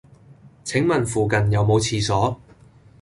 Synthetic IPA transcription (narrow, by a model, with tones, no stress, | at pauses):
t͡sʰɪ˨˥ŋmɐ˨nfuː˨kɐ˨njɐ˨wmo˨˧wt͡sʰiː˨˧sɔː˨˥